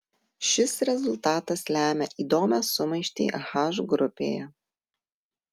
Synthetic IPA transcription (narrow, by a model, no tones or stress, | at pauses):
ʃʲɪsɾʲɛzʊlʲˠt̪ɑːt̪ɐslʲæːmʲɛʔiːd̪oːmʲɛsʊmɐɪʃʲt̪ʲḭːxɑʒɡɾʊpʲḛːjɛ